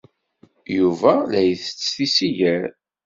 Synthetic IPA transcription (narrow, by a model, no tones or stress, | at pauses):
juvælæjθə̥t͡sːθisijæɾ